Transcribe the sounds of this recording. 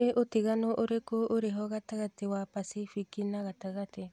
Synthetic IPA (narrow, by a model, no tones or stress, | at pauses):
eʔotiɣanoʔoɾekooɾeɦɔɣataɣatewapasifikinaɣataɣate